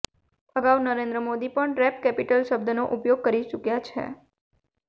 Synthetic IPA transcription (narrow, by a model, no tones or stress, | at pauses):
əɡaʋnəɾẽnd̪ɾəmod̪ipəɳʈɾɛp̚kɛpiʈəlʃəbd̪ʱənoʔupjoɡ̚kəɾit͡ʃukjat͡ʃʰḛ